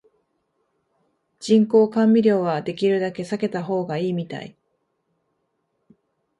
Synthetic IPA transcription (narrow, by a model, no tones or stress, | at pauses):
d͡ʑĩŋko̞ːkãmbʲiɾʲjo̞ːβad̪e̞kʲiɾɯ̟d̪ake̞sake̞t̪aɦo̞ːɡaiːmʲit̪a̰ḭ